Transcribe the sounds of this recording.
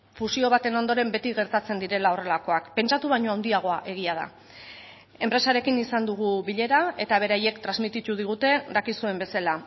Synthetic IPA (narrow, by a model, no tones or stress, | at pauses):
fusio̞β̞at̪e̞no̞nd̪o̞ɾe̞mbe̞t̪iɣe̞ɾt̪at͡se̞nd̪iɾe̞lao̞re̞lako̞akpe̞nt͡ʃat̪uβaɲo̞awnd̪iaɣ̞o̞aʔe̞ɣ̞iað̞a̰ | e̞mpɾe̞saɾe̞kinisand̪uɣ̞uβiʎe̞ɾae̞t̪aβ̞e̞ɾaje̞kt̪ɾazmit̪it̪uð̞iɣ̞ut̪e̞dakisue̞mbe̞sala